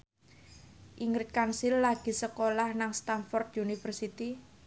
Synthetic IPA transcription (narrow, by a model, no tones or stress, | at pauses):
ʔiŋɾɪt̪̚kansɪlːaɡ̥i̤səkolahnaŋst̪anfɔrd̪unifərsit̪i